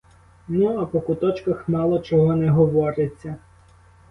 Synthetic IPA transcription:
nuɐpɔkʊt̪ɔt͡ʃkɐxmɑlˠɔt͡ʃɔɦɔnɛɦɔʋɔɾet͡sʲːɐ

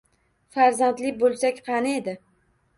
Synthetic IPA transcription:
faɾzant̪lɪbolˠsakʲqʰɑnɪed̪ɪ

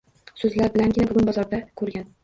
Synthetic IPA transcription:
sɵzlaɾbɪlanɡʲɪnabʊɡʲʊnbɒzɒɾd̪akʰɵɾɡʲan

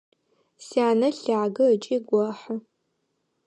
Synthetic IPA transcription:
siaːnɐɬaːɡɐət͡ʃʼiːɡʷɔħə

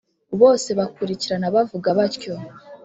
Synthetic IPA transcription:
βo̞ːse̞βakuɾiciɾanaβavuɡaβaɾco̞

